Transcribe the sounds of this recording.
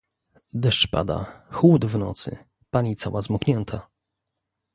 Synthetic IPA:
d̪ɛʂt͡ʂpa̰d̪a̰xwud̪vnɔ̰t̪sɘ̰ | paɲit̪sawazmɔkɲʲɛnt̪ʰa

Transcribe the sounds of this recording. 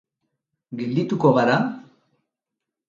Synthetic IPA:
ɡeld̪it̪ukoɣaɾa

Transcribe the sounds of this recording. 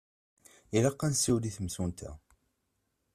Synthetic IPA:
ilɑqːænsːiwliθmsunt̪æ̰

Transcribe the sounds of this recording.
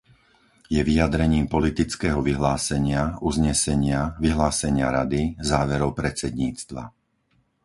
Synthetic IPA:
jɛʋijad̪ɾɛɲiːmpɔlit̪it͡skɛːɦɔʋiɦlaːsɛɲɪauzɲɛsɛɲɪaʋiɦlaːsɛɲɪa̰ɾad̪izaːʋɛɾɔʊpɾɛt͡sɛd̪ɲiːt͡st̪ʋa̰

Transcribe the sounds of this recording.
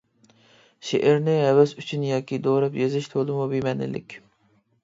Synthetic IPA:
ʃḛʔɛɾnɪɦɛwɛsyt͡ʃʰynjɑːkʲʰid̪oːɾɛpjezɪʃt̪ʰolˠɨmubimɛnɪ̰lɪ̰kʲ

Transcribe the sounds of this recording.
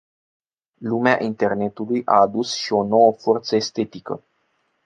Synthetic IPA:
lumea̰ʔint̪e̞rne̞t̪ulujʔa̰ːd̪usʃio̞no̞wəfo̞rt̪səest̪e̞t̪ikə̰

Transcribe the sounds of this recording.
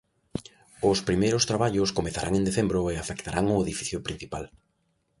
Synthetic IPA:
ʊspɾimejɾʊst̪ɾaβ̞aʎʊskomeθaɾa̰ŋẽnd̪eθembɾʊeafekt̪aɾʔaŋʊeðifi̥θjopɾin̟θipal

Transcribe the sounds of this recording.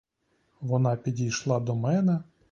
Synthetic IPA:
ʋɔnɑpʲidʲijʃlˠɑd̪ɔmɛnɛ

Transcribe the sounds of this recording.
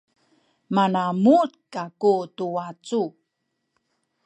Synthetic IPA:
manamut̚kakutuat͡su

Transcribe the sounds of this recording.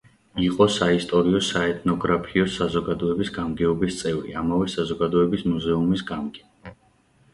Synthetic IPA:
iqʼɔsaist̪ʼɔɾiɔsaɛt̪ʰʼnɔɡɾapʰiɔsazɔɡad̪ɔɛbisɡamɡɛɔbist̪sʼɛvɾḭamavɛsazɔɡad̪ɔɛbismuzɛumisɡamɡɛ

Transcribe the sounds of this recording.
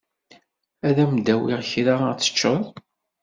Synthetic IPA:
æðæmd̪æwḭʁçɾaʁt͡sːə̥t͡ʃːəðˤ

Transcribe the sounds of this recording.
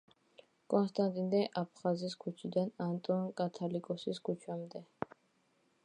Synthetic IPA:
kʼɔnst̪ʼant̪ʼind̪ɛʔapʰχaziskʰut͡ʃʰid̪anant̪ʼɔnkʼat̪ʰalikʼɔsiskʰut͡ʃʰamd̪ɛ

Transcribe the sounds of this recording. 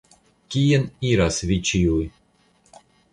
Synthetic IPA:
kʲieniɾasvit͡ʃiuj

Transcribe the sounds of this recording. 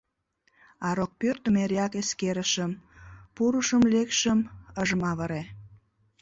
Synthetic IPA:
ɑɾok̚pyrt̪əmeɾɑkeskeɾəʃəmpuɾuʃəmlekʃəməʒəmɑβəɾe

